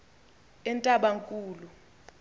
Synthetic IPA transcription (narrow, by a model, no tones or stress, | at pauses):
ɛntʼaɓaŋkʼuːlu